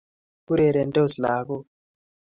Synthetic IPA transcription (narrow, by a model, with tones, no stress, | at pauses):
ku˦ɾɛ˨ɾɛ˨ntʼo˦zi˨laː˦k̬ɔ˦